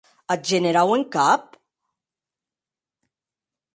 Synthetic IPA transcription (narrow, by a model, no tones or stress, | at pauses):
ɐd͡ʒɛnɛɾɐwɪŋkɐːp̚